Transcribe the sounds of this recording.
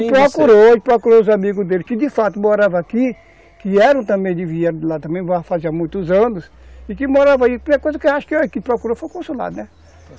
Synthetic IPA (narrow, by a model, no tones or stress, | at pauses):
pɾɔkuɾopɾɔkuɾoʊzamiɡʊzd̪elɪkɪd̪ɪfat̪ʊmoɾavɐaki | kɪɛɾɐ̃t̪ɐ̃mbẽj̃d̪ɪviɛɾd̪ɪlat̪ɐ̃mẽj̃vãfazamũj̃t̪ʊzɐ̃nʊs | ɪkɪmoɾavɐaikɐkojzɐkɪeaʃʊ̥kɪkɪpɾɔkuɾofojkõsula̰d̪ʊnɛ